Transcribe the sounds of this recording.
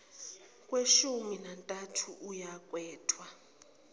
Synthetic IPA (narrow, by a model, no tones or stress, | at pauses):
kʼweʃuminantʼatʰuʔujakʼwɛːtʰwa